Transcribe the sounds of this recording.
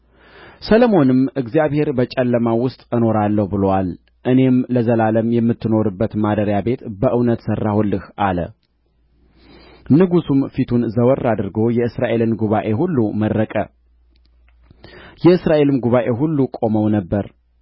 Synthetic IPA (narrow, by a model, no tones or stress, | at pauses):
sələmo̞nɨmʔɨɡzijaβhe̞ɾbət͡ʃʼɛlːəmawʊst̪ʼɨno̞ɾalːəhubɨlowal | ʔɨne̞mləzəlaləmjɛmːɨt̪ʰːɨno̞ɾɨbːət̪mad̪əɾjabe̞t̪bəʔɨwnət̪sərːahulːɨhʔalə̰ | nɨɡusumfit̪ʰunzəwərːad̪ɨɾɡo̞jɛɨsɾaʔe̞lɨnɡuβaʔe̞ɦulːumərːəkʼə̰ | jɛɨsɾaʔe̞lɨmɡuβaʔe̞ɦulːukʼo̞məwnəbːəɾ